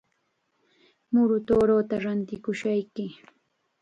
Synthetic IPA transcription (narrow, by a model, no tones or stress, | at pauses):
mʊɾʊt̪oːɾoːt̪aɾant̪ɪkʊʃajkɪ